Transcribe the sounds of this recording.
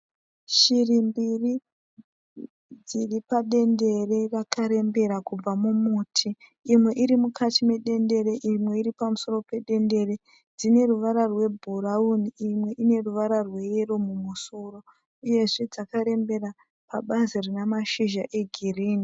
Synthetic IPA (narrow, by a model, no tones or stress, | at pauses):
ʃirimbiri | d͡ziripaɗe̞nde̞re̞rakaɾe̞mbe̞ɾakub͡vamumutʰiːmwe̞ʔiɾimukatime̞ɗe̞nde̞ɾeʔimwe̞iɾipamuso̞ro̞pe̞ɗe̞nde̞re | d͡zine̞ruʋaɾarwe̞bʱuɾauniimwe̞ʔine̞ruʋaɾarwe̞eromumuso̞ro̞ | uje̞ʐe̞d͡zakaɾe̞mbe̞ra | paɓazirinamaʃiʒaʔe̞ɡʱiriːni